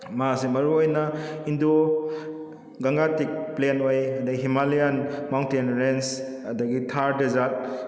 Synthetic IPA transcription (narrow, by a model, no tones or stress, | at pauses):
mɐasemɐɾuojnɐindo | ɡɐŋɡatik̚plenojɐdɐɡiɦimalijanmawntenɾens | ɐdɐɡitʰaɾdezat̚